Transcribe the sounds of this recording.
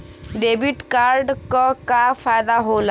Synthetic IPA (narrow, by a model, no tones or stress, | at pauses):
ɖebiʈkaɾɖkɔkafajd̪aɦola